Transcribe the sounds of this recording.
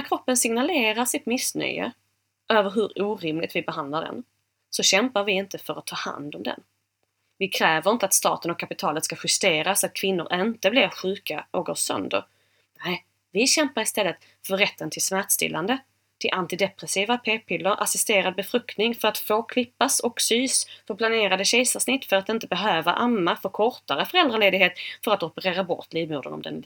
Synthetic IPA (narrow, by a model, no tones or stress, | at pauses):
næɾkʰɾɔpːənsɪŋnaleːɾaʂɪt̪mɪsnœ̰jə̰ | ʔøːvəɾɦɵɾuːɾɪmlɪ̰t̪vɪbɛɦand̪laɖɛ̰n | sɔɕɛmpaɾvɪɪnt̪əfœɾat̪ʰːɑːha̰nd̪ɔmd̪ɛ̰n | vɪkʰɾɛːvəɾɪnt̪əat̪st̪ɑ̰ːt̪ənɔkʰːapɪt̪ʰɑːlət̪skaɧɵst̪eːɾasat̪̚kʰvɪnːʊ̰ɾʔɪnt̪əblɪɾɧʉ̟ːkaʔɔkɡoːʂœ̰nd̪ə̰ɾ | nɛɪ | vɪɕɛmpaɾɪst̪ɛlːət̪ | fœɾɾɛt̪ʰːənt̪ʰɪlsmæʈ̪st̪ɪ̰lːand̪ə | t̪ʰɪlʔant̪ɪd̪ɛpɾɛsiːvapʰeːpʰɪlːəɾʔa̰sɪst̪eːɾad̪̚bɛfɾɵkt̪nɪŋfœɾat̪foːkʰlɪpːasɔksyːsfəɾpʰlaneːɾad̪əɕɛjsasnɪt̪ːfœɾat̪ɪnt̪əbɛɦøːvaʔamːafoːkʰɔɾt̪aɾəfœɾɛld̪ɾaleːd̪ɪɡɦeːt̪fœɾat̪ɔpəɾeːɾabɔ̰t̪ʰliːvmuːd̪ə̰nɔ̰md̪ɛ̰n